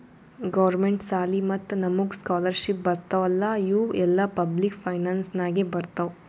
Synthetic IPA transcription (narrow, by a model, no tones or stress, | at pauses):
ɡɐʋɐɾmeɳʈsaːlimɐt̪ːnɐmuɡskaːlɐɾʃip̚bɐɾt̪ɐʋɐlːɐjuːɛlːɐpɐblikpʰɐjnaːnsnaːɡibɐɾt̪ɐʋ